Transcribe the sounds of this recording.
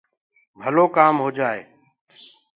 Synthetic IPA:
bʱəloːkaːmɦoːd͡ʒaːḛː

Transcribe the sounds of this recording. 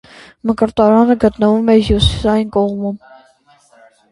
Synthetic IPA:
məkəɾt̪ɑɾɑnəɡət̪nəvumɛɦjusi̥sɑjinkɔʁmum

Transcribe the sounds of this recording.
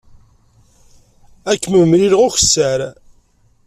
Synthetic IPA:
ækːməmɾilʁʊçə̥sːaɾ

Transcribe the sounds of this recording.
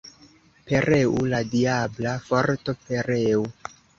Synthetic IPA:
pe̞ɾeʔuladiablafoɾtopʰeɾeu

